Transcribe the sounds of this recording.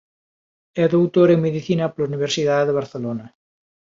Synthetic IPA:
ɛðowt̪oɾeŋmeðiθinɐpolauniβ̞eɾsiðaðeðeβ̞aɾθelonɐ

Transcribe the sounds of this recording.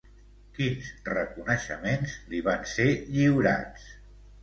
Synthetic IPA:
kinzrəkunəʃə̰menzliβanseʎiwɾa̰t͡s

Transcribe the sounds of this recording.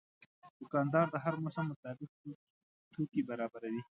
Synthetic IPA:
d̪̥ʊkɑnd̪ɑɾd̪əɦaɾməsamːət̪ɑbɪk̚ | t̪ʰokibaɾɑbaɾawi

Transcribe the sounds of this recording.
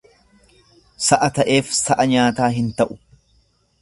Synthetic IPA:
sɐʔɐt̪ɐʔe̞ːfsɐʔɐɲaːt̪aːɦɪnt̪ɐʔʊ

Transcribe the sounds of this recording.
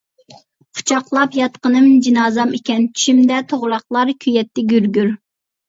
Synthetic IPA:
qʰʊ̥t͡ʃʰɑqlˠɑpjɑt̪qənɨmd͡ʒinɑːzɑmikʲɛnt͡ʃʰy̥ʃymd̪ɛt̪ʰoʁlˠɑχlˠɑɾkʲʰyjɛt̪ʰːɪɡʲyɾɡʲyɾ

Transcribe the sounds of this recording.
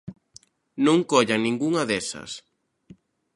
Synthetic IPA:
nõŋkɔʎɐnĩŋɡuŋɐðɛsɐ̰s

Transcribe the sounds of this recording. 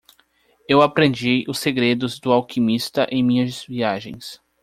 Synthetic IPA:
ewapɾẽnd͡ʒiʔʊseɡɾed̪ʊzd̪ʊawkʰimist̪ɐʔẽj̃mĩɲɐzviaʒḛ̃j̃s

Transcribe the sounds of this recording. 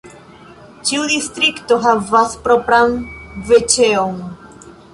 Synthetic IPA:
t͡ʃiwðist̪ɾikt̪oɦavaspɾopɾanvet͡ʃeoŋ

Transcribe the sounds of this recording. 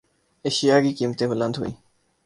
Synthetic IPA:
eːʃɪjaːɡiːkiːmət̪ẽːbələ̃nd̪ɦo̰ḭː

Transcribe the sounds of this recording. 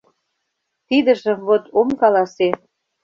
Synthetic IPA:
t̪id̪ə̆ʒə̆mvot̪omkɑlɑse

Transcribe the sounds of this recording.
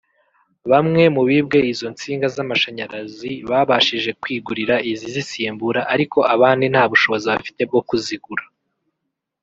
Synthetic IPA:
βamŋe̞muβiːb̚ɡe̞izo̞nt͡siːŋɡazamaʃaɲaɾaziβaːβaʃiʒe̞kwiːɡuɾiɾaizizisiːmbuɾaʔaɾiko̞ʔaβaːndin̥haːβuʃo̞βo̞ziβafi̥te̞bɡokuziɡuɾa

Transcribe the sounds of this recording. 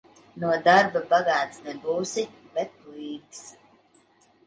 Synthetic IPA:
nuɔd̪aɾbabaɡaːt̪snɛbuːsi | bɛt̪̚liːɡs

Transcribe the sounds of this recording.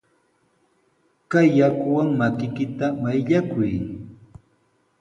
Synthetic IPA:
kajːakʊwaŋmakɪkɪt̪amajʎakʊj

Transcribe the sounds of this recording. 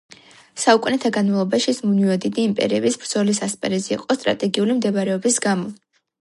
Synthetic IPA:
saukʼunɛt̪ʰaɡanmalˠɔbaʃismuniɔd̪id̪iːmpʼɛ̰ɾiɛbisbɾd̪zɔlis̬aspʼɛɾɛzɛːqʼɔst̪ʼɾa̰t̪ʼɛɡiulimd̪ɛvaɾɛɔbisɡamɔ

